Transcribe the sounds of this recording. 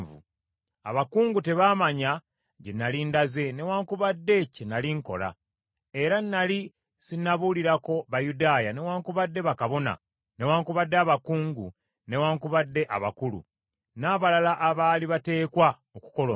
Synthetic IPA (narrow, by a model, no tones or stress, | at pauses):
vṵ | a̰βakuːŋɡute̞βaːmaɲa | ɟenːalindaze̞ne̞waːŋkuβadːe̞cenaliŋko̞̰la̰ | e̞ɾanːali | sinaβuliɾako̞βajudaːjane̞waːŋkuβadːe̞βakaβo̞na̰ | ne̞waːŋkuβadːeaβakuːŋɡu | ne̞waːŋkuβadːe̞ʔaβa̰kulṵ | naːβalalaʔːβaːliβate̞ːkwa | oku̥ko̞lo